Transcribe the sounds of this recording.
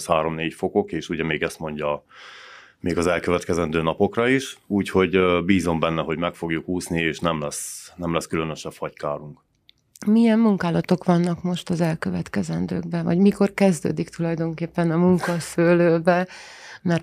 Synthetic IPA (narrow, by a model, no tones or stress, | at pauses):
shaːɾo̞mneːcfo̞ko̞keːʃuɟɛmeːɡɛst̪mo̞ɲɟɒ | meːɡɒzɛlkøvɛt̪kɛzɛnd̪øːnɒpo̞krɒiʃuːcho̞ɟbiːzo̞mbɛnːɛɦo̞ɟmɛkfo̞ɡjukuːsnieːʃnɛmlɛsnɛmlɛskylønøʃɛfhɒckaːɾuŋk | mijɛmːuŋkaːlɒt̪o̞kʋɒnːɒkmo̞ʃt̪ɒzɛlkøvɛt̪kɛzɛnd̪ø̰ːɡ̚bɛvɒ̰ɟmiko̞rkɛzd̪ø̰ːd̪ikt̪ulɒjd̪o̞ŋkeːpːɛnɒmuŋkɒsøːløːbɛmɛr